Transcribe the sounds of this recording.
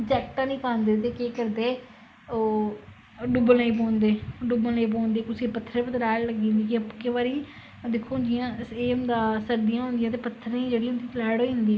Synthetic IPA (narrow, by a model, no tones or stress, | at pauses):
d͡ʒɛːkʈãːnĩːkʰãːnd̪eːt̪eːkeːkəɾd̪eː | o | ɖʊbəlnaĩːp̬oːnd̪eːɖʊbəlneĩːp̬õːnd̪eːt̪ʊsĩːpət̪ʰːəɾẽːpət̪ɾaːlləɡiːnd̪iːkɪəpkeʋaːɾiː | d̪ɪkʰːoːnd͡ʒ̪ɪjãːeːʊnd̪ãːsəɾd̪ɪjãːɦʊ̃nd̪ɪjãːt̪̬eːpət̪ʰːəɾ̃iːd͡ʒeːɽiːɦʊnd̪iːt͡ʃlaːɽoːĩnd̪iː